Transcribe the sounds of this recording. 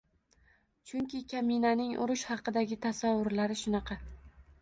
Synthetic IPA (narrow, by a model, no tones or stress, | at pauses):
t͡ʃʰʊŋkʲɪkʲʰamɪnanɪŋʔʊ̰ɾʊʃhɑqɨd̪aɡʲɪt̪ʰasavːʊɾlaɾɪʃʊnɑqʰɑ